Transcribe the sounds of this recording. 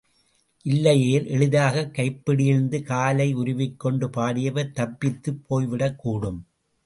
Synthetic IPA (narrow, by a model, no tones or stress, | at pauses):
ʔɪlːɐjeːlʔɛɻɯðaːɣɐkːɐɪpːɪɽɪjɪɾnd̪ɯkaːlɐɪʊɾʊʋɪkːɔɳɖɯpaːɽɪjɐʋɐɾt̪ɐpːɪt̪ːɯpʰːoːjʋɪɽɐkːuːɽɯm